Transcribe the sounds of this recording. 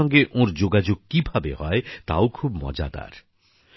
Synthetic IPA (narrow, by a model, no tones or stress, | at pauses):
ɔŋɡeʔõɾd͡ʑoɡad͡ʑoɡ̚kibʱabeɦɔet̪a̰okʰubmɔ̰d͡ʑa̰d̪a̰ɾ